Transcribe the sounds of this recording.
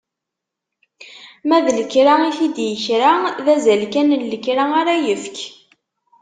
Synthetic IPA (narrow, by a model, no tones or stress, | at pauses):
mæðləkɾaiθid̪jəçɾaðæzælkænənːəkɾaaɾajəfk